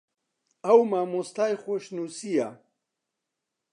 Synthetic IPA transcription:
awmamust̪ajxoɕnusija̰

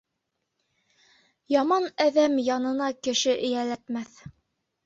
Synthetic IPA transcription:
jɑmɑnæðæmjɑnɤ̆nɑkɘ̆ʃɘʔɘ̆jælæt̪mæθ

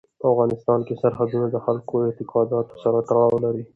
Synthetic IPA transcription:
afɣɑnɪst̪ɑnkesaɾɦad̪unad̪əxalkoɪt̪ɪqɑd̪ɑt̪o̥saɾat̪aɾɑwlaɾi

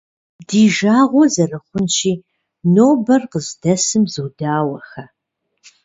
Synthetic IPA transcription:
diːʒaːʁʷɔzɐrɐχʷʊnʃiː | noːbɐrqəzdɐsɨmzɨːdaːwɐxɐ

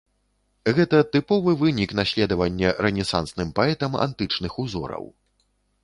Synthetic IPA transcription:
ɣɛt̪ɐt̪ɨpɔvɨvɨnʲiknaɕʲlʲɛd̪ɐvɐnʲːɐɾɛnʲɛsansnɨmpaɛt̪ɐma̰nt̪ɨt͡ʂnɨxuzɔ̰ɾɐ̰w

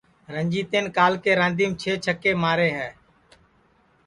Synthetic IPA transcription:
ɾəɲd͡ʒiːt̪eːnkaːlkeːɾãːnd̪ʱiːmt͡ʃʰeːt͡ʃʰəkeːmaːɾeːɦɛː

